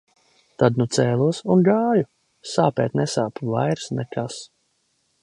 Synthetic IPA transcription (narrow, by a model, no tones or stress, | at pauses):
t̪ad̪nut̪sɛːlˠuɔsunɡaːju | saːpɛːt̪nɛsaːpva̰jɾsnɛkas